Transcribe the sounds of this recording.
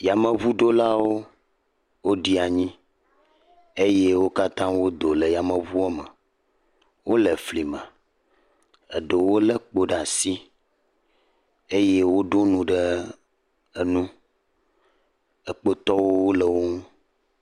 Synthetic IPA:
ja˨mə̃˨vu˦ɖo˦la˦wo˦ | wo˦ɖi˦a˨ɲĩ˦ | e˦je˦wo˦ka˦t̪ã˦wo˦d̪o˨lə˨ja˨mə̃˨vu˦o˦mə̃˨ | wo˦lə˨fli˨mə̰̃˨ | ə̰˨ɖə˨wo˦lə˦k͡po˨ɖa˨si˦ | e˦je˦wo˦ɖo˦nũ˨ɖə˦ | ə˨nũ˦ | ə˨k͡po˦t̪ɔ˦wo˦wo˦lə˨wo˦ŋũ˦

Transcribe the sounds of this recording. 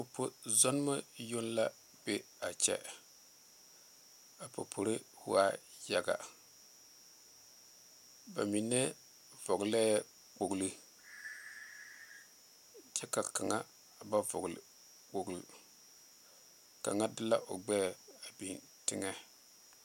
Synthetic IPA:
o˨pʰo˦zɔ˦n˦ma˦jo˦n˦la˦ | b̥e˦ | a˨t͡ʃɛ̰˦ | a˨po̰˨pʰo˨ɾe˦hʊ˦a˦ja˨ɡa̰˨ | ba̰˨mi˨nɛ˦ | vɔ˨ɡlɛ˦ɛ˦ | k͡po˨ɡlɨ˦ | t͡ʃɛ˦ka˨ka˨ŋa˦ | ba˦vʊ̰˨ɣl̰ | k͡po˨ɡl | ka̰˨ŋa˦dɪ˦la˦ʔo˨ɡ͡bɛː˦˨a˨bi˨n | tɪ˦ŋɛ˦

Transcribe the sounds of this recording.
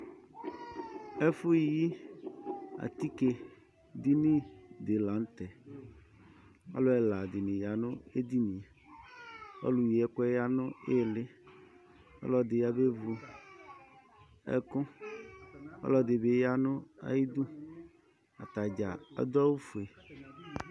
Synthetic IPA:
e˦fʊ˦i˨ji˦ | a̰˨t̪i˦ke˨ | d̪i˦nĩ˦d̪ɪ˨la˨˦n˦t̪ɛ˨ | ɔ̰˦lʊ˦ɛ˨la˨d̪ɪ˨nɪ̃˨ja˨nʊ̃˦e˦d̪i˦nĩ˨ | ɔ̰˦lu˨ji˨ɛ˦kɛ˦ja˦nʊ̃˦e˦˨lɪ˦ | ɔ̰˦lɔ˨d̪ɪ˨ja˨be˦vu˨ | ɛ̰˦kʊ̃˦ | ɔ̰˦lɔ˨d̪ɪ˨be˦ja˦nʊ̃˦a̰˦ji˦d̪u˦ | a̰˨t̪a˨d͡ʒa˨a̰˦d̪a˦wu˦fu˨e˨

